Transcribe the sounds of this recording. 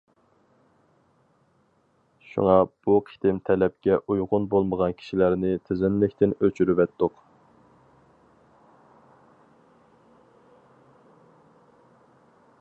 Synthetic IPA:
ʃṵŋɑb̥uqʰi̥t̪ɪmt̪ʰɛlɛp̚kʲɛʔujʁʊnbolˠməʁɑnkʲʰi̥ʃilæɾnɪt̪ʰɪzɪnlɪkʲt̪ʰɪnøt͡ʃʰyɾyvɛt̪ːʊq

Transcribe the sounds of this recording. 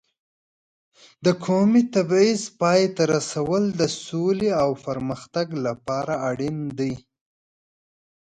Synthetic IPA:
d̪əkʰomit̪abizpɑjet̪aɾasawəld̪əsoleawpəɾməxt̪aɡlapɑɾaːɽind̪əj

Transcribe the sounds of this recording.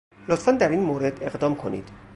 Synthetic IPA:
lot̪fænd̪æɾiːnmoːɾed̪e̞ɣd̪ɒːmkʰo̞nḭːd̪̥

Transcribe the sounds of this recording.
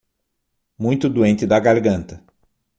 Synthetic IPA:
mũj̃t̪ʊd̪uẽnt̪ɪd̪ɐɡaɾɡɐ̃nt̪ɐ

